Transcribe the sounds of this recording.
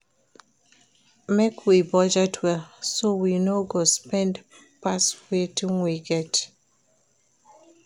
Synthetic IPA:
mekʰwibɔd͡ʒɛtʰwɛlsowinoɡospɛ̃nd | paswetʰĩnwiɡɛt

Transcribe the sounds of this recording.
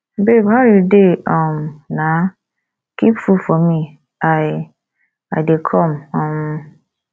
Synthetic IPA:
bebhaɾudeɔ̃mnã | kipfufɔmĩ | aɪ | adekʰɔ̃mɔ̃m

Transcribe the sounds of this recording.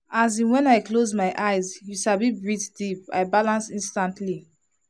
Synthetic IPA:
azĩnwɛ̃najklozmajʔajzjuʃabibɹitdipa̰jbalãnsĩnstãntʰli

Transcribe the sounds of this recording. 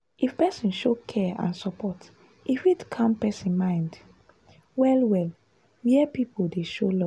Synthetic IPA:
ʔifpɛsĩnʃokʰɛã̰nsɔpʰɔt | ʔifidkʰãmpɛsĩnmãɪ̃nd | wɛlwɛl | wiɛpipodeʃolɔ

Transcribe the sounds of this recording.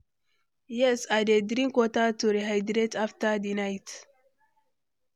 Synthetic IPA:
jɛsadedɾiŋkotatuɾiɦajdɾetaftadinajt

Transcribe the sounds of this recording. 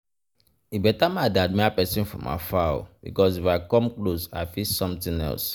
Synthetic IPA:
ibɛtamadad̚miapɛsĩnfɔ̰̃ma̰fao̰bḭkɔsifakɔ̃mklosa̰ɪfisɔ̃mtĩnɛ̰ls

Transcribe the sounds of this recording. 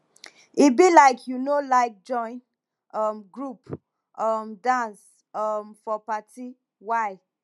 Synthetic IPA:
ibilaɪkʰjunolaɪk̚d͡ʒɔ̃ɪ̃n | ʌmɡɹup | ʌmdãns | ʌmfɔpati | waɪ

